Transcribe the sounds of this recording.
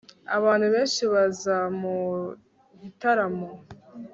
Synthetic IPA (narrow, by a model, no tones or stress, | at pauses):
a̰βaːn̥huβe̞ːnʃiβazamu | βitaɾamo